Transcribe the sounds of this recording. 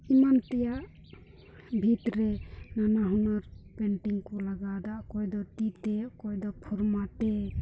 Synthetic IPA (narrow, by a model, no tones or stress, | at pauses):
imant̪ɛjaʔ | bʱit̪ɾɛnanaɦunɔɾpɛɳʈiŋkɔlaɡad̪aʔkɔjd̪ɔt̪it̪ɛʔkɔjd̪ɔpʰɔɾmat̪ɛ